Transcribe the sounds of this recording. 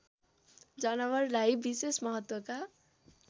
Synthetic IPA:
d͡zʌnʌwʌrlajbisesmʌɦʌt̪wʌka

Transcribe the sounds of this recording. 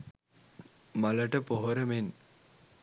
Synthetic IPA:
maləʈəpoɦoɾəmen

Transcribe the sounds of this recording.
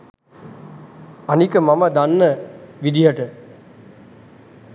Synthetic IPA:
anikəmaməd̪anːəʋid̪iɦəʈə

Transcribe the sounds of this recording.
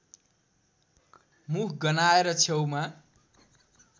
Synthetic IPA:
mukʰɡʌnaeɾʌt͡sʰewma

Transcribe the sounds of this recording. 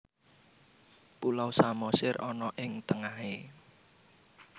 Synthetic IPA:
pulawsamɔsɪrɔnɔʔɪŋt̪əŋahe

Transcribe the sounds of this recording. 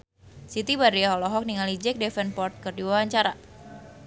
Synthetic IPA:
sit̪ibaɾiaɦɔlɔɦɔk̚niŋalid͡ʒɛk̚dɛfɛnpɔrt̪̚kɨrdiwawaɲt͡ʃaɾa

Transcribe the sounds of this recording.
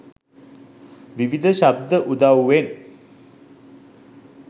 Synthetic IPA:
ʋiʋid̪ʱəʃab̚d̪ʱəʔud̪awːen

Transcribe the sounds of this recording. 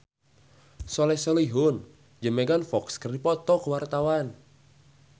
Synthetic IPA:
sɔlɛsəliɦʊn | d͡ʒəmeɡanfɔkskərdipɔt̪ɔkəwart̪awan

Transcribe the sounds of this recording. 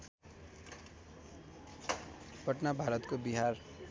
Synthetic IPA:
pʌʈnabʱaɾət̪kobiɦaɾ

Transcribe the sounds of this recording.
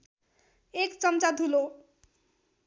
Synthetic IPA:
ekt͡sʌmt͡sad̪ʱulo

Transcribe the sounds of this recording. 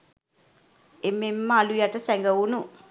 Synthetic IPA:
emːemːaalujaʈəsɛŋɡɐwunu

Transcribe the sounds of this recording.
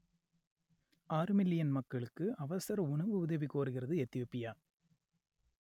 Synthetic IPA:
ʔaːɾɯmɪlɪjɐnmɐkːɐɭɯkːɯʔɐʋɐsɐɾɐʊɳɐʋɯʊðɐʋikːoːɾɯɣɪrɐðɯɛt̪ːɪjoːpːɪjaː

